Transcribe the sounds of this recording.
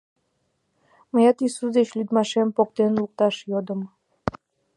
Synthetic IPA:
məjɑt̪isusd̪et͡ɕlʲyd̪mɑʃempok̚t̪enluk̚t̪ɑʃjod̪əm

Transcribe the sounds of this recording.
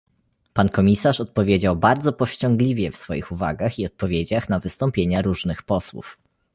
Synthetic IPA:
pankɔmʲisaʂɔt̪̚pɔvʲjed͡ʑawbaɾd̪zɔpɔfɕt͡ɕɔŋɡlʲivʲjɛfsfɔjixuva̰ɡaxiɔt̪̚pɔvʲjed͡ʑaxnavɘst̪ɔmpʲjeɲaɾuʐnɘxpɔswṵf

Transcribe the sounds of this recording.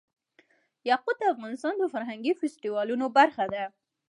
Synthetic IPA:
jɑqʊd̪̚əafɣɑnɪst̪ɑnd̪əfaɾɦaŋɡifɪsʈiwɑlunobaɾxad̪a

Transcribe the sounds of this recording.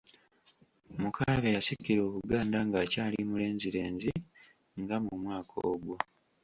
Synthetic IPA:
mukʰaːβejasikːiɾo̞ːβuɡaːndaŋɡacaːlimule̞ːnziɾe̞ːnzi | ŋɡamumwaːkʰo̰ːɡwo

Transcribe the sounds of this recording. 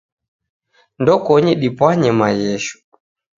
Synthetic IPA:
ndɔkɔɲɛɗipwaɲɛmajɛʃu̥

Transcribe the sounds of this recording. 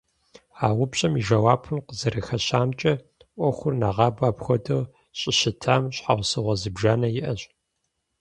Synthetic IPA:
aːʁʷʊpɕʼɐmiʒɐwaːpʰɨnqəzɐɾɨxɐɕaːmt͡ʃʼɐ | ʔʷɔxʷʊrnaːʁɑːbaːpxʷɔdɐw | ɕʼɪɕɪtʰaːmɕħawʷsɨʁʷɐzɨbʒaːnɐjɪʔɐɕʼ

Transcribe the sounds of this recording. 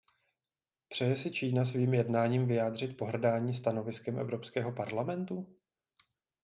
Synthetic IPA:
pr̥ɛjɛsɪt͡ʃiːnas̬viːmjɛdnaːɲiːmvɪjaːd̪r̝ɪt̪̚po̞ɦr̩daːɲiːst̪ano̞vɪskɛmʔɛ̰vɾo̞pskɛːɦo̞paɾlamɛnt̪u

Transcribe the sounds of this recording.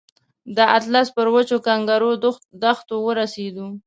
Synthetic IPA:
d̪əat̪laspəɾwət͡ʃokaŋɡaɾod̪axt̪owəɾased̪u

